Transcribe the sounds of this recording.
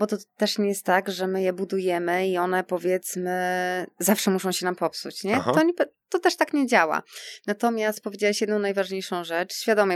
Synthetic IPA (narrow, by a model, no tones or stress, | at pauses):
bɔt̪ɔt̪ɛʂɲɛjɛst̪ːaɡʐɛmɘjɛbud̪ujɛmɘiɔnɛpɔvʲjɛt̪smɘzafʂɛmuʂɔ̃w̃ɕɛnampɔpsṵt͡ɕɲɛt̪ɔɲɛpɛ | t̪ɔt̪ɛʂt̪akɲɛd͡ʑawa̰nat̪ɔmʲjast̪̚pɔvʲed͡ʑawaɕjɛd̪nɔ̃w̃najvaʐɲejʂɔ̃w̃ʐɛt͡ʂɕfʲjad̪ɔmʲjɛ